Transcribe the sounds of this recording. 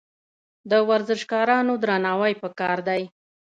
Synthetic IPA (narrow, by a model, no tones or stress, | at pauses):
d̪əwaɾzɪʃkɑɾɑnod̪ɾanɑwajpəkɑɾd̪aj